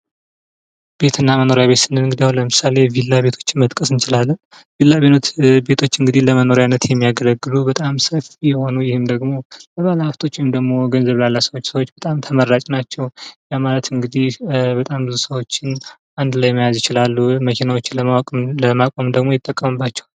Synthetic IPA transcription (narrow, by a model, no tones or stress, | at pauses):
b̥e̞t̪ʰɨnːaməno̞ɾjaβe̞t̪sɨnːɨnɨŋɡɨd̪ijahwnləmɨsale̞vilːabe̞t̪ʰo̞̥t͡ʃːɪnmət̪ʼkʼəsɨnt͡ʃɪlalːən | vilːabenot̪be̞t̪ʰo̞t͡ʃːɨŋɡɨd̪ihləməno̞ɾjanːət̪jɛmːijaɡələɡːɨlubət̪ʼamsəfijɛho̞nujɪhɨmd̪əɡmo̞ləβalhaft̪ʰo̞t͡ʃːɪhɨmd̪əɡmo̞ɡənzəβlalːasəwot͡ʃːsəwot͡ʃːbət̪ʼamt̪ʰəmərːat͡ʃʼnat͡ʃːɛwjamalət̪ɨŋɡɨd̪ihbət̪ʼambɨzusəwo̞t͡ʃːɪn | and̪lajɛmːəjazjɪt͡ʃɪlalːuməkʰenawo̞t͡ʃːɪnləmawakʼɨmləmakʼo̞md̪əɡmo̞jɪt̪ʼːəkʼːəmɨbːat͡ʃːɛ̥w